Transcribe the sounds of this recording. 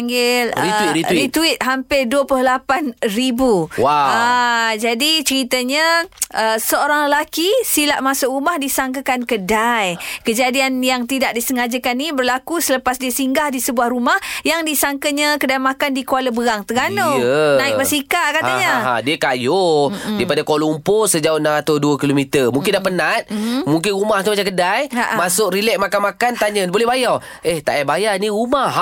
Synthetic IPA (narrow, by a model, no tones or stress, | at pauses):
aŋɡɪləiiiit̪uɪt̪̚ɦampɪduəplʊhlapanribuwaad͡ʒadit͡ʃəɾit̪əɲaʔəsəoɾaŋləlakisilaʔmasʊɾumahdisaŋkakankədajkəd͡ʒadianjaŋt̪idaʔ̚disəŋad͡ʒəkanibərlakusələpasdiəsiŋɡahdisəbuahɾumahjaŋdisaŋkəɲakədajmakandikualəbəɣaŋt̪əɡanoənaɪkməsikakat̪aɲaa̰diəkajʊdipadakoluumposəd͡ʒaoənaŋɾat̪ʊduəkilomit̪əmũŋkɪndahpənat̪̚muŋk̬ɪnɾumaht̪umat͡ʃakədajaʔmasʊkɾilɛʔ̚makanmakant̪aɲənbolɛhbaja | ʔeht̪aʔabajaniɾumah